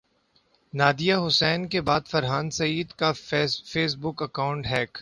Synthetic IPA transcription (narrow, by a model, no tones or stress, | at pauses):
naːd̪ijaɦʊsɛːnkebaːd̪fɐɾɦaːnsɐiːd̪kafeːs̬bʊkɐkaːʊ̃ɳʈɦɛːk